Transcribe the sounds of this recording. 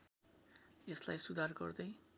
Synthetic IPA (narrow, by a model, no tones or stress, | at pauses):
eslajsud̪ʱarɡʌ̰rd̪ej